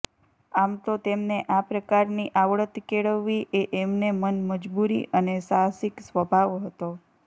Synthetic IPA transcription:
amt̪ot̪emneʔapɾəkaɾniʔaʋɭət̪keɭəʋːiʔeʔemnemənməd͡ʒbuɾḭʔənesasiksʋəbʱaʋɦət̪o

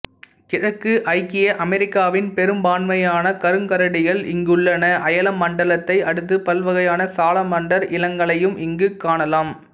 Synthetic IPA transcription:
kɪɻɐkːɯʔɐɪkːɪjɐʔɐmɛɾɪkːaːʋɪnpɛɾɯmbaːnʋɐjaːnɐkɐɾɯŋkɐɾɐɽɪɣɐɭɪŋɡɯɭːɐnɐʔɐjɐlɐmːɐɳɖɐlɐt̪ːɐɪɐɽɯt̪ːɯpɐlʋɐɣɐjaːnɐsaːlɐmɐɳɖɐɾʔɪlɐŋɡɐɭɐjɯmʔɪŋɡɯkːaːɳɐlaːm

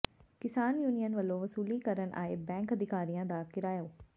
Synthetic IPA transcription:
kɪsaːnjuːnijənʋəlːõːʋəsuːliːkəɾənʔa̰ːeːbɛ̃ːŋkəd̪ɪkaːɾijãːd̪aːkɪɾaːjaoː

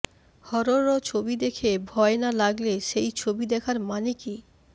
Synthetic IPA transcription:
hɔɾoɾɔt͡ɕʰobid̪ekʰebʱɔenalaɡleʃejt͡ɕʰobid̪ɛkʰaɾmaniki

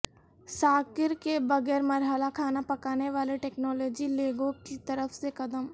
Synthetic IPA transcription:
saːkɪɾkebɐɣɛːɾmɐɾɦəlakʰaːnapɐkaːneʋaːleʈɛːknɔːlɔːd͡ʒileːɡõkit̪ɐɾəfsekɐd̪əm

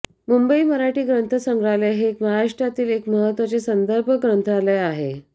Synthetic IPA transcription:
mumbəiməɾaʈiːɡɾənt̪ʰəsəŋɡɽaleɦekmaɦaɾaʂʈjat̪iːlekməɦət̪ʋət͡sesənd̪əɾbʱəɡɾənt̪ʰaleaɦe

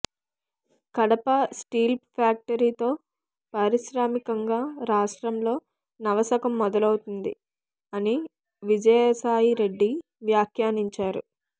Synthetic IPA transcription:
kɐɽɐpɐsʈiːlppʰaːk̚ʈɐɾiːt̪o̞ː | pɐɾiʃɾaːmikɐŋɡaːɾaːʂʈɾɐmlo̞ː | nɐʋɐsɐkɐmːɔd̪ɐlɐwut̪und̪i | ɐni | ʋid͡ʒɐjɐsaːjiɾe̞ɖːi | ʋjaːkʰjaːniɲt͡ʃaːɾṵ

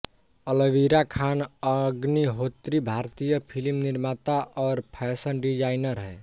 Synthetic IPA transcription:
ələʋiɾakʰanəɡniɦot̪ɾibʱaɾt̪ijəpʰilmniɾmat̪aʔɔːɾpʰɛsənɖid͡ʒajnəɾɦɛ

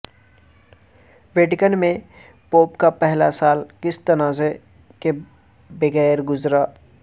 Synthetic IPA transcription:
ʋeːʈɪkənmẽ | poːpkapɛɦlasaːlkɪst̪ɐnaːze | ke | bɪɣɛːɾɡʊzɾa

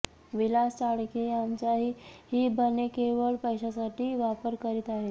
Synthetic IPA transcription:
ʋilast͡ɕaɽkejamt͡ɕjaɦiːhiːbənekeʋəɭpəjɕasaʈiːʋapəɾkəɾiːt̪aɦe

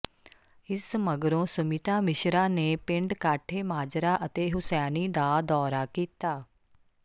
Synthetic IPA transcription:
ɪsməɡɾõːsʊmit̪aːmɪʃɾaːneːpɪ̃ɳɖkaːʈʰeːmaːd͡ʒɾaːʔət̪eːɦʊsɛːniːd̪aːd̪ɔːɾaːkiːt̪aː

